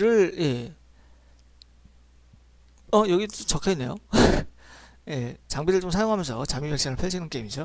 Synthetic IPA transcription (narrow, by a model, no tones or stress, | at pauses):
ɾɯɭje̞ | ʌjʌɡit͡ɕʌkʰenːe̞jo | je̞t͡ɕaŋbiɾɯɭt͡ɕomsʰajoŋɦamjʌnsʰʌt͡ɕamibekɕ͈iŋɯɭpʰeɕʰinɯnk͈eimid͡ʑo